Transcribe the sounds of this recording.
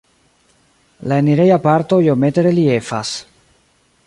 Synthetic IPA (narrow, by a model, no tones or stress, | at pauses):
laeniɾe̞japaɾto̞jo̞me̞teɾe̞lie̞fa̰s